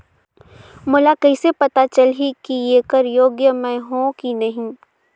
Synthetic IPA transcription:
mʊlakɐisepɐt̪at͡ʃɐlɦikijeːkəɾjoːɡjəmɛ̃ɦõkinɐɦĩ

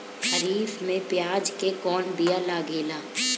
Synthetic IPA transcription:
həɾiːfmẽpjaːd͡ʒkekɔːnbijalaːɡeːlaː

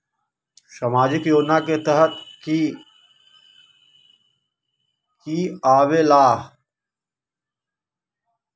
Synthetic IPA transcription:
sɐmaːd͡ʒɪkjoːd͡ʒnaket̪ɛɦət̪k | kiːaːʋelaːɦ

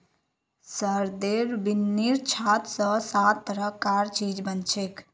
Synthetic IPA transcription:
səɾd̪eɾbinːiɾt͡ʃʰat̪sə̃sat̪ːəɾəkaɾt͡ʃid͡ʒbənt͡ʃʰek

